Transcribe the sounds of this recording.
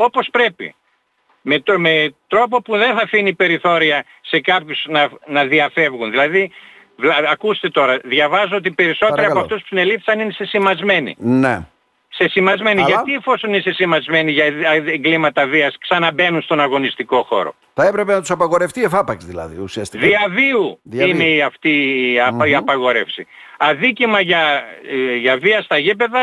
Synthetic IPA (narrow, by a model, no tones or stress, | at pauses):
o̞po̞spɾe̞pḭ | met̪met̪ɾo̞po̞puðe̞nθɐfinipe̞ɾiθo̞ɾiɐ | se̞kɐpçusnɐnɐðiɐfe̞vɣunðilɐði | vlɐːkust̪e̞t̪o̞ɾɐðʝɐvɐzoot̪ipe̞ɾiso̞t̪eɾɐoɐft̪uspu̥sine̞lifθsɐninese̞simɐzme̞nḭne | se̞simɐzme̞niʝɐt̪iefo̞soninesesimɐzme̞niʝɐeŋɡlimɐt̪ɐviɐsksɐnɐbe̞nunst̪o̞nɐɣo̞nist̪iko̞xo̞̰ɾo̞̰ | θɐepɾepenɐt̪u̥sɐpɐɣo̞ɾeft̪iefɐpɐkzðilɐ̰ðḭusiɐst̪ðiɐviuðineiɐft̪i | iɐpɐɣo̞ɾe̞fsi | ɐðicimɐʝɐ | ʝɐviɐst̪ɐʝipe̞ðɐ